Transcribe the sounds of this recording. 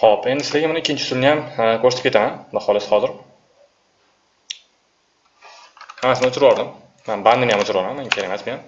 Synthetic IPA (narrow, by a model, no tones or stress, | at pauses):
χope̞nd̪ɪsɪzaɡʲamʊnɪkʲːɪnt͡ʃʰɪ̥sʊlnɪjamkʰoɾst̪ɪ̥pkʰʲeamand̪aχɒlˠɪshɒzɪɾ | hamasɪnɪʊt͡ʃʰɪɾbɒɾd̪ɪmː | anband̪ɪnjamʊt͡ʃʰɪɾbɒlmanmːaŋkʰʲeemasbejam